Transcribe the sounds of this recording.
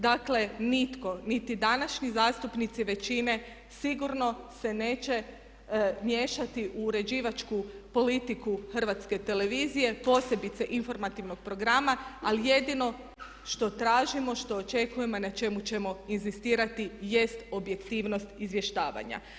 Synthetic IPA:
d̪akle̞nit̪ko̞nit̪id̪anaʃɲizaːst̪upnit̪siʋe̞t͡ʃine̞ | siɡuɾno̞se̞ne̞ːt͡ʃe̞ | mje̞ːʃat̪iʔuːɾe̞d͡ʑiːʋat͡ʃkupo̞lit̪ikuxr̩ʋat̪ske̞t̪e̞le̞ʋiːzije̞po̞se̞bit̪se̞ʔinfo̞ɾmat̪iʋno̞ɡ̥̚pɾo̞ɡɾamaalije̞d̪ino̞ | ʃt̪o̞t̪ɾaːʒimo̞ʃt̪o̞ːt͡ʃe̞kuje̞monat͡ʃe̞mut͡ɕe̞mo̞inzist̪iːɾat̪ije̞st̪o̞bje̞kt̪iːʋno̞st̪izʋje̞ʃt̪aːʋa̰ɲa̰

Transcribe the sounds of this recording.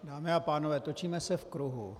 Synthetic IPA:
daːmejapaːnəʋɛt̪ot͡ʃʰimɛ̃sɪɾfkəɾoːɦo̰ː

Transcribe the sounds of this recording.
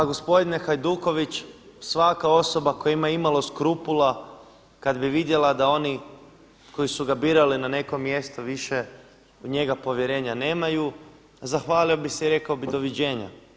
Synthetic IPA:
aɡo̞spo̞d̪ine̞xajd̪uːko̞ʋit͡ɕ | sʋakao̞so̞bako̞jaimajimaloskɾupula | kad̪biʋid̪je̞lad̪ao̞ni | ko̞jisuɡabiːɾalinane̞ko̞mːje̞st̪oʋiʃe̞ | uɲe̞ɡapo̞ʋje̞ɾe̞ːɲane̞ːmaju | zaxʋaːliobiseiɾe̞kaobid̪o̞ʋid͡ʑe̞ːɲa̰

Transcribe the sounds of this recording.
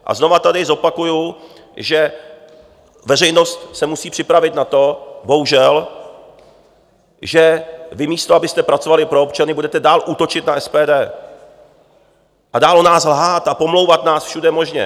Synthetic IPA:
ʔa̰zno̞vat̪adɪzo̞pakuju | ʒɛ | vɛrɛjno̞st̪sɛmusiːpr̥ɪpɾavɪt̪nat̪o̞bo̞ɦuʒɛl | ʒɛvɪmiːst̪oabɪst̪ɛpɾat͡sovalɪpɾo̞opt͡ʃanɪbudɛt̪ɛdaːlʔuːt̪o̞t͡ʃɪt̪naʔɛspɛːdɛː | ʔadaːlonaːslɦaːt̪apo̞mlo̞wvat̪naːsfʃudɛmo̞ʒɲɛ̰

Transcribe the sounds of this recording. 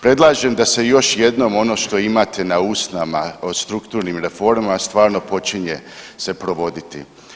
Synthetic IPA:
pɾe̞d̪lˠaːʒemd̪ase̞jo̞ʃje̞d̪no̞mo̞no̞ːʃt̪o̞imat̪ʰe̞nauːsnamast̪ɾukt̪uːɾnimɾefo̞ɾmamast̪ʋaːɾno̞po̞t͡ʃiɲe | se̞pɾo̞ʋo̞d̪it̪ḭ

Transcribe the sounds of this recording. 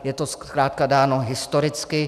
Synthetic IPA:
jɛt̪oskɾaːt̪̚kadaːnoɦɪst̪oɾɪt͡skɪ

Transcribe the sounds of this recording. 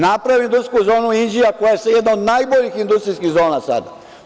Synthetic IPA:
napɾaʋiind̪uskuzo̞ːnuind͡ʒiakojajesejed̪naod̪najboʎixind̪ust̪ɾiskiɣzo̞ːnasa̰d̪a

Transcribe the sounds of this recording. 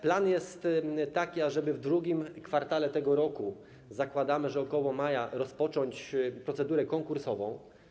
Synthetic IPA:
planjɛst̪t̪ːakʲiaʐɛbɘvd̪ɾuɡʲimkfaɾt̪alɛt̪ɛɡɔɾɔku | zakwad̪amɘʐɛɔkɔwɔmajaɾɔspɔt͡ʂɔɲt͡ɕpɾɔt̪sɛd̪uɾɛkɔŋkuɾsɔvɔ̃w̃

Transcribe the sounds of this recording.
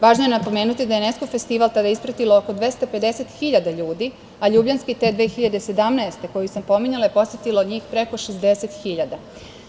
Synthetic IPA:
ʋaːʒnojenapo̞me̞ːnut̪id̪ajeneskofe̞st̪iʋalt̪ad̪aispɾat̪ilooko̞d̪ʋe̞st̪ape̞d̪e̞se̞t̪xiʎad̪aʎuːd̪i | aʎuːbʎanskit̪e̞ːd̪ʋe̞ːxiʎad̪e̞se̞d̪amnaest̪e̞ko̞jusampo̞miɲalajepo̞sjet̪iloɲiːxpɾe̞ko̞ʃezd̪eset̪xiʎad̪a

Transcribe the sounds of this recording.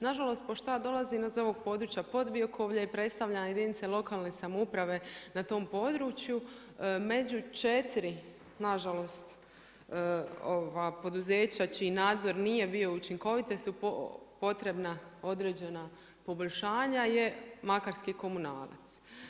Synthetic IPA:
naʒalˠo̞st̪̚po̞ʃt̪ojad̪o̞lˠazinazo̞ʋo̞ɡ̚po̞d̪ɾuːt͡ʃjapo̞d̪ʋiokʰoʋʎajepɾe̞t̪st̪aʋʎanajed̪init̪selˠo̞kaːlˠne̞samupɾaʋe̞nat̪o̞ːmpo̞d̪ɾuːt͡ʃju | me̞d͡ʑut͡ʃet̪iɾi | naʒalo̞st̪ | oʋapo̞d̪uzeːt͡ɕat͡ʃiːnaːd̪zo̞ɾnije̞bijo̞ut͡ʃiŋko̞ʋit̪e̞supopo̞t̪ɾe̞bnao̞d̪ɾe̞ːd͡ʑe̞na | po̞bo̞ʎʲʃaːɲaje̞makaɾskiko̞muna̰ːla̰t̪s

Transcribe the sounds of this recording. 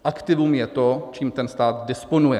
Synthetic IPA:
ʔakt̪ɪvumjɛt̪ot͡ʃiːmt̪ɛnst̪aːt̪dɪsponujɛ

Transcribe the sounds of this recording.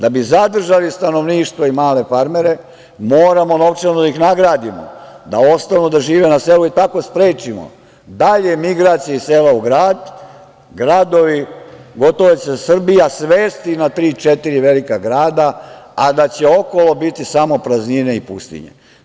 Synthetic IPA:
d̪abizad̪r̩ʒalist̪ano̞ʋniːʃt̪ʋoimaːle̞faɾme̞ɾe̞ | moːɾamo̞no̞ʋt͡ʃenud̪aixnaɡɾaːd̪imo̰d̪ao̞st̪anud̪aʒiːʋenaseːluit̪ako̞spɾeːt͡ʃimo̰ | d̪aʎe̞miɡɾaːt̪sijaiseːlauɡɾaːd̪ | ɡɾaːd̪o̞ʋiɡo̞t̪oʋet͡ɕesr̩bijasʋeːst̪inat̪ɾiːt͡ʃet̪iɾiʋe̞likaɡɾaːd̪aad̪at͡ɕe̞o̞ko̞lo̞bit̪isamo̞pɾaznine̞ipṵst̪ḭɲḛ

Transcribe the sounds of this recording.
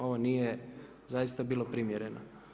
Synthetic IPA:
o̞ʋoniːje | zajist̪abiːlˠopɾimjeɾeno

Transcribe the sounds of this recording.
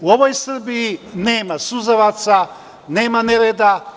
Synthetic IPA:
uo̞ʋo̞jsr̩bijine̞ːmasuzaʋat̪sa | ne̞ːmaneɾed̪a

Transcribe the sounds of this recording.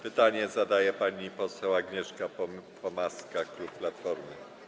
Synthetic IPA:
pɘt̪aɲɛzad̪ajɛpaɲipɔsɛwaɡɲɛʂkappʰɔmaskaklupplat̪fɔɾmɘ

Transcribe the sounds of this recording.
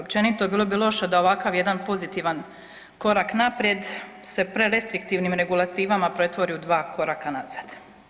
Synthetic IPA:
opt͡ʃe̞nit̪o̞biːlˠo̞bilˠo̞ʃed̪aoʋakaʋje̞d̪anpo̞zit̪iʋan | ko̞ɾaknapɾje̞d̪ | se̞pɾeɾe̞st̪ɾikt̪iːʋnimɾe̞ɡulˠat̪iːʋamapɾe̞t̪ʋo̞ɾiud̪ʋaːko̞ɾakanaz̥ad̪̥

